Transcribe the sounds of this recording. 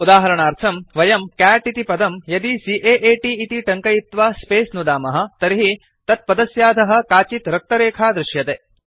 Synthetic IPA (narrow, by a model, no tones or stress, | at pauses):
ud̪aːɦɐɾɐɳaːɾt̪ʰɐmʋɐjɐmkæːʈit̪ipɐd̪ɐmjɐd̪isiːʔeːʔeːʈiːt̪iʈɐŋkɐjit̪ʋaːspeːsnud̪aːmɐɦɐ̆t̪ɐɾiɦi | t̪ɐt̪̚pɐd̪ɐsjaːd̪ʱɐɦɐ̆kaːt͡ʃit̪ɾɐk̚t̪ɐɾeːkʰaːd̪ɾɪʃjɐt̪eː